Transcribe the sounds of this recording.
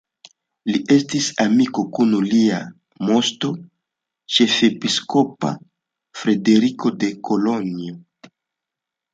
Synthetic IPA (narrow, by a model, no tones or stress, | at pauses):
liʔe̞stisamiko̞kunulia | mo̞sto̞ | t͡ʃe̞fe̞pisko̞pa̰ | fɾe̞de̞ɾiko̞de̞ko̞lo̞nio